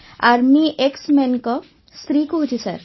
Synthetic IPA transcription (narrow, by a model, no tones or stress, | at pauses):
aɾmiʔeksmenkɔ | st̪ɾikoɦut͡ʃisa̰ɾ